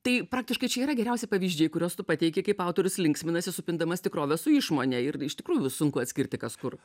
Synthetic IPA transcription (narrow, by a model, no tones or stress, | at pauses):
t̪ɐɪpɾɑːk̚t̪ʲɪʃkɐɪt͡ʃʲɛiːɾɐɡʲɛɾʲɛʊsʲɪpɐʋʲiːʒʲd͡ʒʲeːjkʊɾʲoːst̪ʊpɐt̪ʲɛɪkʲɛkɐɪpɐʊt̪oːɾʲʊslʲɪŋksʲmʲɪnɐsʲɪsʊpʲɪnd̪ɐmɐst̪ʲɪkɾoːʋʲɛsʊɪʃmoːnʲɛɪrɪʃt̪ʲɪkɾuːjʊsʊŋkʊɐt̪ʲsʲkʲɪɾʲt̪ʲɪkɐskʊr